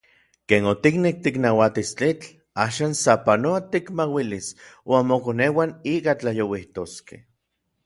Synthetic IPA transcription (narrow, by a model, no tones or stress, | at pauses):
keːnot̪iknek̚t̪iknawat̪ist͡ɬit͡ɬ | aːʃaːnsapanoat̪ikmawiliswʔanmokonewaniːkat͡ɬajowiht̪oskḛh